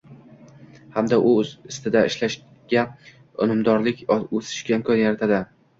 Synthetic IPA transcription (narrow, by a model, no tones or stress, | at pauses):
hamd̪aʔʊzɪst̪ɪd̪aɪʃlaʃ | ɡ̥ʲa | ʊ̰nɪmd̪ɒɾlɪkʲɵsɪ̥ʃɡʲaɪmkʰɒnjaɾat̪ʰad̪ɪ